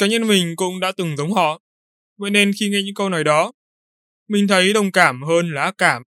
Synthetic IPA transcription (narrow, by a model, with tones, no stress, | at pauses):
kaː˨˦ɲə˧nmï˨˩ŋ̟kʊ̰˧˥ŋ͡mɗa̰ː˧˥t̪ɨ˨˩ŋzə˨˦wŋ͡mɦɔ̰˧˨ | və̰ḛ˧˨˥ne˧nxi˧ŋɛ˧ɲɨ̰˧˥ŋkə˧wnɔ˨˦jɗɔ˨˦ | mï˨˩ŋ̟t̪ʰə˨˦jɗə˨˩wŋ͡mkaː˧˩mɦəː˧nla̰ː˧˦˥kaː˧˩m